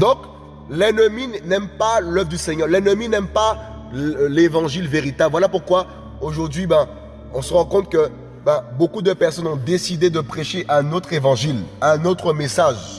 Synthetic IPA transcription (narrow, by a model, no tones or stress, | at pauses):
d̪ɔ̃k | lɛnəminɛmpalœvʁd̪ysɛɲœʁlɛnəminɛmpa | levɑ̃ʒilveʁit̪ablvwalapuʁkwa | oʒuʁd̪ɥibɛ̃ | ɔ̃səʁɑ̃kɔ̃t̪kə | bɛ̃bokud̪əpɛʁsɔnɔ̃d̪esid̪ed̪əpχeʃeʔɛ̃not̪χevɑ̃ʒilɛ̃not̪χəmesaʒ